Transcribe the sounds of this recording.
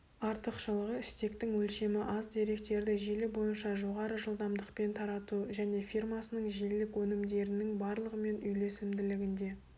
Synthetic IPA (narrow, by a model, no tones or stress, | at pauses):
ɑɾt̪əqʃəlˠəʁəɪst̪e̞kt̪ɪŋwɵlʃe̞mɪʔɑzd̪e̞ɾe̞k̚t̪e̞ɾd̪ɪʒilɪbo̞jənʃɑʒo̞ʁɑɾəʒəlˠd̪ɑmd̪əqpe̞nt̪ʰɑɾɑt̪uʒæne̞firmɑsənəɴʒilɪkwɵnɪmd̪e̞ɾɪnɪŋbɑɾlˠəʁəme̞nʏjle̞sɪmd̪ɪlɪɡʲɪnd̪e̞